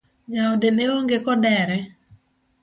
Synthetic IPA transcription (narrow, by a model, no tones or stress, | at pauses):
d͡ʒaodeneoŋɡekɔdɛɾɛ